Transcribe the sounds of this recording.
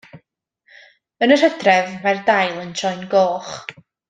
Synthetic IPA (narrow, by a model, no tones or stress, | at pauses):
ənər̥ədrɛvmardajlˠənt͡ʃɔɨnɡoːχ